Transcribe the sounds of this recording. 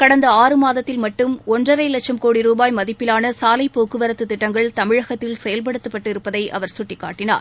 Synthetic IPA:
kɐɽɐnd̪ɐaːɾɯmaːðɐt̪ːɪlmɐʈːɯmɔndrɐɾɐɪlɐt͡ʃːɐmkoːɽiɾuːbaːjmɐðɪpːɪlaːnɐsaːlɐɪpːoːkːɯʋɐɾɐt̪ːɯt̪ːɪʈːɐŋɡɐɭt̪ɐmɪɻɐɣɐt̪ːɪlsɛjɐlp̬ɐɽɯt̪ːɯpːɐʈːɪɾɯpːɐðɐɪʔɐ̰ʋɐɾsʊʈːɪkːaːʈːɪna̰ːɾ

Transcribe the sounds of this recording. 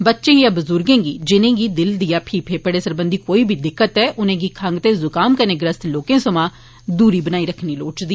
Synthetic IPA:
bətːʃẽːjãːbəzʊɾɡẽːɡiːd͡ʒɪnẽːɡiːd̪ɪld̪ijaːpʰiːpʰeːpəɽeːsəɾbənd̪iːkoːiːbʱiːd̪ɪkːət̪ɛːʔʊnẽːɡiːkʰəŋɡt̪eːzʊkaːmkənẽːɡɾəst̪loːkẽːsəmãː | d̪uːɾiːbənaːiːɾəkʰniːloːt͡ʃd̪iː

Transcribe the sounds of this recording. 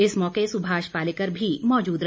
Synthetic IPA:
ɪsmɔːkesʊbʱaːʃpaːlɪkəɾbʱimɔːd͡ʒuːd̪ɾ

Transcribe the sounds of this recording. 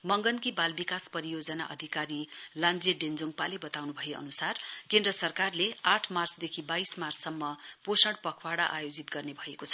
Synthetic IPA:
mʌŋɡʌnkibalbikaspʌɾijod͡zʌna̰ʔʌ̰d̪ʱikaɾiland͡zeɖend͡zoŋɡ̚palebʌt̪awnubʱʌjeʌ̰nusarkend̪rʌsʌrkarleaʈʰmart͡sd̪ekʰibajsmart͡sːʌmːʌposʌɽpʌkʰwaɽaʔajod͡zit̪̚ɡʌrnebʱʌekot͡sʰʌ

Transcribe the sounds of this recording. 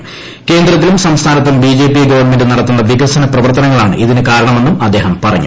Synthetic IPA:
ke̞ːnd̪rɐt̪̬ːilumsɐmst̪ʰaːnɐt̪̬ːumbiːd͡ʑe̞ːpiɡɐʋɐrɳme̞ndɨnɐɽɐt̪ːunːɐʋiɡɐsɐnɐprɐʋɐrt̪ɐnɐŋːɐɭaːɳɨ̰ʔiðinɨkaːɾɐɳɐme̞nːumɐd̪ːe̞ːɦɐmpɐrɐ̰ɲːṵ

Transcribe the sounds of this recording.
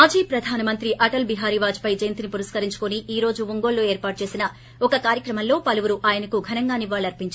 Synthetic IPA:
aːd͡ʒiːpɾɐd̪ʱaːnɐmɐnt̪ɾiʔɐʈɐlbiɦaːɾiʋaːd͡ʒpɐjd͡ʒɐjnt̪inipuɾɐskɐɾiɲt͡ʃu̥kuniiːɾo̞ːd͡ʒuʋuŋɡo̞ːɭːo̞ːe̞ːɾpaːʈ̚t͡ʃe̞ːsinɐ | ɔkɐkaːɾjɐkɾɐmɐnlo̞ːpɐluʋuɾuʔaːjɐnɐkuɡʱɐnɐŋɡaːniʋaːɭːɐɾpiɲt͡ʃa

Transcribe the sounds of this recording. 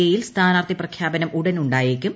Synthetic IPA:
ɐjilst̪ʰaːnaːrt̪ʰiprɐkʰjaːbɐnɐmuɽɐnuɳɖaːjikʲːum

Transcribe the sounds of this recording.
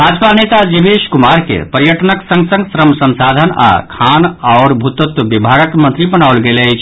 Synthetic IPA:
bʱad͡ʒpanet̪ad͡ʒibeʃkumaɾkḛpəɾjəʈnəksə̃ŋɡsə̃ŋɡsɾəmsə̃nsad̪ʱəna̰kʰanaʊɾbʱut̪ot̪bibʱaɡəkmənt̪ɾibənawlɡelət͡ʃʰ

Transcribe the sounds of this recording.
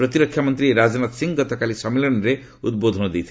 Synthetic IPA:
pɾɔt̪iɾɔkʰːjamɔnt̪ɾiɾad͡ʒɔnat̪siŋɡɡɔt̪ɔkalisɔmilɔnɾe | ud̪̚bod̪ʱɔnɔd̪ejt̪ʰi

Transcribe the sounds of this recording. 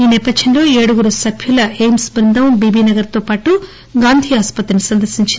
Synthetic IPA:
iːnɛːpɐd̪d͡ʒɐnlo̞ːeːɽuɡuɾɐsɐbʱjulɐeːjmsbɾind̪ʱɐmbiːbiːnɐɡɐɾt̪o̞ːpaːʈu | ɡaːnd̪ʱiːaːspɐt̪ːɾinisɐnd̪ɐɾsiɲt͡ʃi

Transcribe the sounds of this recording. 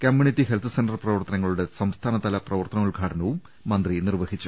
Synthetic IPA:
kɐmjunitːiɦelt̪ʰɨsendɐrprɐʋɐrt̪ɐnɐŋːɐɭuɽe̞sɐmst̪ʰaːnɐt̪ɐlɐprɐʋɐrt̪ɐnɐmuɭɡʱaːʈʰɐnɐʋumː | ɐnd̪rinirʋɐhit͡ɕːu

